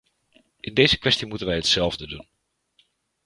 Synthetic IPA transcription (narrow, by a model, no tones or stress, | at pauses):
ʔɪndejzəkʋɛstimutənʋɛjɦətsɛlˠvdədun